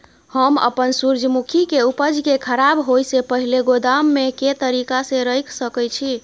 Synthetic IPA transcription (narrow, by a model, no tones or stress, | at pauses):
həmə̰pənsuɾd͡ʒʱmukʰikeupəd͡ʒkekʰəɾabɦojsepəɦileɡod̪amːeket̪əɾikasẽɾəjkʰsəkət͡ʃʰi